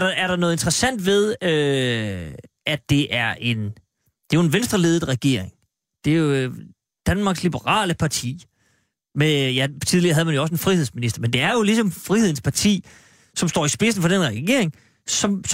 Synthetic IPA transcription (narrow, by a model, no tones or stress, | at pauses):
ɾɑæɐɾ̥ɑ̈nɔ̽ːð̞̩ˠend̥ʁɐsæn̰d̥ʋe̝ð̞ˠø | ʔæd̥e̝ʔæɐʔe̝n | d̥e̝jo̝enʋensd̥ʁɐle̝ːðˠð̩ˠʁaɡ̥e̝ɐ̰eŋ | d̥e̝jo | d̥ænmɑ̈ːɡ̥slib̥əʁɑ̰̈ːləpʰɑ̈t͡sʰḭː | mejæ̥t͡sʰið̞ˠliɐɦæðˠmænjoɒs̬enfʁihe̝ð̞̰ˠsminisd̥ɐmend̥e̝æɐjo̝lisɒ̽mfʁihe̝ð̞̰ˠn̩spʰɑ̈t͡sʰḭː | sɒ̽msd̥ɒ̰ːisb̥e̝s̬n̩fɒ̽denʁaɡ̥e̝ɐ̰e̝ŋ | sɒ̽ms